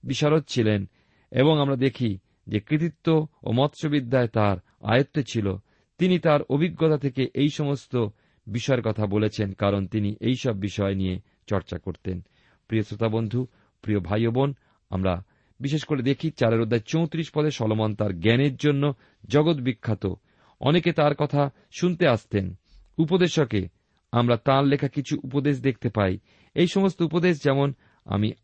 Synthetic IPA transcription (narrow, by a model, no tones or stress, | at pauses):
biʃaɾot̪̚t͡ɕʰilen | ḛboŋamɾad̪ekʰi | d͡ʑekɾit̪̬it̪ːoo̰mɔt̪ːʃobid̪ʱːaet̪aɾ | a̰jot̪ːet͡ɕʰilo | t̪init̪aɾobʱiɡːot̪at̪ʰekeʔejʃɔmost̪o | biʃɔeɾkɔt̪ʰabolet͡ɕʰenkaɾont̪iniʔejʃɔbːiʃɔenije | t͡ɕɔɾt͡ɕakoɾt̪en | pɾiosɾot̪abond̪ʱu | pɾijobʱajobon | a̰mɾa | biʃeʃkoɾed̪ekʰit͡ɕaɾeɾod̪ʱːat͡ɕowt̪ɾiʃpɔd̪eʃɔlomant̪aɾɡɛneɾd͡ʑonːo | d͡ʑɔɡot̪̬bikʰːat̪o̰ | ɔ̰neket̪aɾkɔt̪ʰa | ʃunt̪eaʃt̪en | upod̪eʃoke | amɾat̪ãɾlekʰakit͡ɕʰuʔupod̪eʃ̬d̪ek̚ʰt̪epaj | ejʃɔmost̪oupod̪eʃd͡ʑɛmon | a̰mi